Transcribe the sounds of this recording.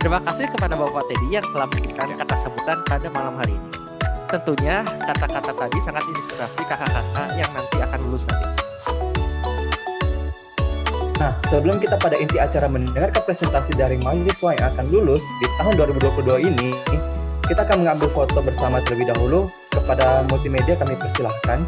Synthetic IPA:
t̪əɾimakasɪhkəpadabawpat̪edijaŋt̪əlahpərkik̪aɲakat̪asəbut̪anpadamalamhaɾiːni | t̪ənt̪uɲakat̪akat̪at̪adisaŋat̪inspiɾasikakakat̪ajaŋnant̪iakanlulʊsla̰di | nahsəbələmkit̪apadaint̪iat͡ʃaɾaməndəŋarkanpɾesɛnt̪asidaɾimajiisuajaŋakanlulʊsdit̪aɦʊnduwaɾibuduapuluhduaini | kit̪aːkanməŋambɪlfot̪obərsamat̪ələbihdaɦulu | kəpadamult̪imediakanmipərsilahkan

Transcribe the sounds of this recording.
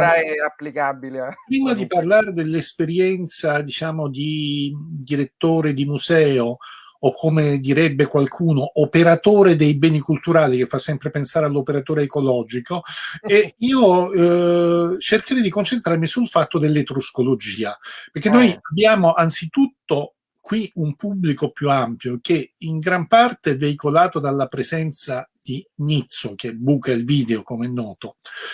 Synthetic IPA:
aɛapːlikabilepɾiːmad̪iparlaːɾed̪elːespeɾjɛnt̪sad̪it͡ʃaːmod̪i | d̪iɾet̪ːoːɾed̪imuzɛːoː | kʰːomed̪iɾɛbːekwalkʰuːnoʔːpeɾat̪oːɾed̪ejbɛːnikult̪uɾaːlikefːasːɛmpɾepensaːɾealːopeɾat̪oːɾeːkolɔːd͡ʒikoeiːo | t͡ʃerkeɾɛd̪ikont͡ʃent̪ɾarmisulfat̪ːod̪elːet̪ɾuskolod͡ʒiːaperkːenːojabːjaːmoʔant̪sit̪ut̪ːo | kwiumpubːlikopjuampjok̟eiŋɡɾampart̪eɛvːeikolaːt̪od̪alːapɾezɛnt̪sad̪̥iɲit̪sːok̟ebukailviːd̪eokomɛnːɔːt̪o

